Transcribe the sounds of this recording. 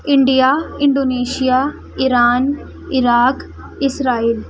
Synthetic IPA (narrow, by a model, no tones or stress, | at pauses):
ɪɳɖijaɪɳɖoːneːʃijaː | ɪɾaːn | ɪɾaːk | ɪsɾaːiːl